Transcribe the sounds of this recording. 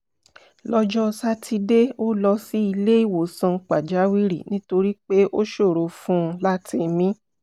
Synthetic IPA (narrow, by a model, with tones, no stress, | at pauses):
lɔ˧d͡ʒɔ˦˧sa˦tʰi˧de˦o˦lɔ˧si˦i˧le˦i˦˨wo˨sã˧k͡pa˨d͡ʒa˨˦wi˦ɾḭ˨nĩ˦to˧ɾi˦k͡pe˦ʔo˦ʃo˦˨ɾo˨fũ˦˧la˦ti˧mĩ˦